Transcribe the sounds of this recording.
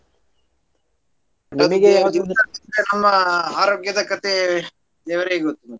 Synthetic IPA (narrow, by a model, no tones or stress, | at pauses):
nɐmɐɡed̪iɐint̪enɐmːɐaːɾoːɡjɐd̪ɐkɐt̪ʰe | d̪ɛːʋɐɾeɡot̪ːumɐt̪ː